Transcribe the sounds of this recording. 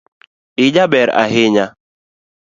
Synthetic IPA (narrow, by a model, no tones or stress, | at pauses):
ɪd͡ʒabɛɾa̰ɦɪɲa